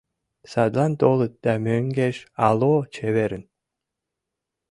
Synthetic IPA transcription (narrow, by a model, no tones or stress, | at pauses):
sɑd̪lˠɑnt̪olˠɨt̪̚d̪̥æmøŋɡeʃɑlˠot͡ʃʰeβeɾɨn